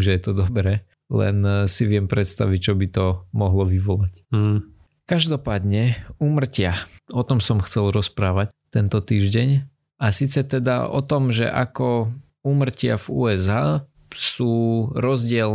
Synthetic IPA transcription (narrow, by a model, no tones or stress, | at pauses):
mʒɛjɛt̪ɔd̪ɔbɾɛː | lɛ̰nsiʋɪɛmpɾɛt̪st̪a̰ʋic̚t͡ʃɔbit̪ɔmɔɦlɔʋiʋɔlac̩ | kaʒd̪ɔpaːd̪ɲɛuːmr̩cɪaɔt̪ɔmsɔmxt͡sɛlɾɔspɾaːʋact̪ɛnt̪ɔt̪iːʒɟɛɲ | asiːt͡sɛt̪ɛd̪a̰ɔ̰t̪ɔmʒɛ̰ʔakɔ | uːmr̩cɪavṵːɛzaː | suːɾɔzɟɪɛl